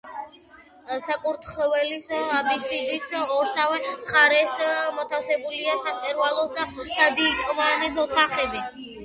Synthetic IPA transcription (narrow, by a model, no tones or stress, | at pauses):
sakʼuɾt̪ʰχɔvɛlisabisid̪isɔɾsavɛʁaɾɛsmɔt̪ʰafsɛbuliasamt̪ʼɛɾualˠɔsd̪asad̪iːkʼvanɛsɔt̪ʰaχɛbi